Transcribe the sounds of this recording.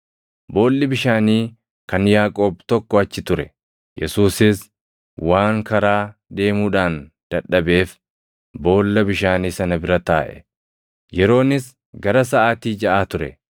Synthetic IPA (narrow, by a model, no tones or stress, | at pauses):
bo̞ːlːɪbɪʃaːniː | kɐnjaːkʼo̞ːb̚t̪ɔkːɔɐt͡ʃːɪt̪ʊɾɛ | jʔɛsuːsɪs | waːŋkɐɾaːd̪e̞ːmuːᶑaːn | d̪̥ɐᶑːɐbe̞ːf | bo̞ːlːɐbɪʃaːniːsɐnɐbɪɾɐt̪aːʔɛ̥̰ | jɛɾo̞ːnɪs | ɡɐɾɐs̬ɐʔaːt̪iːd͡ʒɐʔaːt̪ʊɾɛ